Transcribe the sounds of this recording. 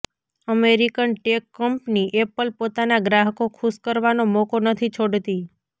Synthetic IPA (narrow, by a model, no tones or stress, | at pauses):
əmeɾikənʈekːəmpniʔepəlpot̪anaɡɾaɦəkokʰuskəɾʋanomokonət̪ʰit͡ʃʰoɽt̪i